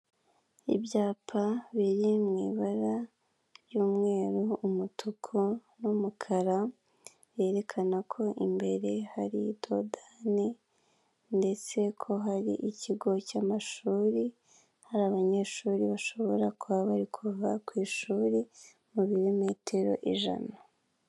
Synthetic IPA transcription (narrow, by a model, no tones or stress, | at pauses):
ibjaːpʰaβiɾimŋiːβaɾa | ɾjuːmŋe̞ːɾuːmutʰukʰunumukʰaɾa | βje̞ːɾe̞kʰanakʰo̞ʔimbe̞ɾe̞haɾḭdo̞̰dani | nde̞t͡se̞kʰo̞ɦaɾḭʔiciɡo̞caːmaʃuːɾi | haɾaːβaɲe̞ʃuːɾiβaʃo̞βo̞ɾakuβaβaɾikʰuvakwiːʃuːɾi | muβiɾime̞ːtʰe̞ɾo̞̰ʔiʒa̰na